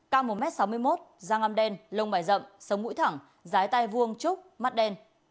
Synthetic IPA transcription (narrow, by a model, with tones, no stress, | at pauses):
kaː˧wmo˨˩t̚mɛ˦˥t̚sa˨˦wmɨ˧əjmo˦˥t̚zaː˧ŋa˧mɗɛ˧nlə˧wŋ͡mɓaː˧˩jzə̰˧˨msə˨˦wŋ͡mŋṵ˧˥jt̪ʰa˧˩ŋ | zaː˨˦jt̪a˧jvu˧əŋt͡ɕʊ˦˥k͡p̚ma˦˥t̚ɗɛ˧n